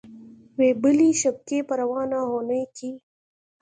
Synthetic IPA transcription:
weːbəliʃɐb̚kepəɾɐwɑːnaɦoːnəjki

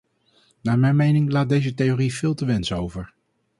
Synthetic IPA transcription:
naːɹmɛjnmejnɪŋlaːt̚dejzətejoriv̥ɪːlˠtəʋɛnsowvəɹ

